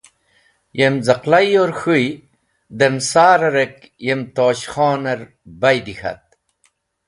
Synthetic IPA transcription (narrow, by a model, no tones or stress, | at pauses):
jemzɐqlajoɾxɨj | d̪emsaːɾɐɾek | jemt̪oːɕxaːnɐɾ | bɐjd̪ixɐ̰t̪̚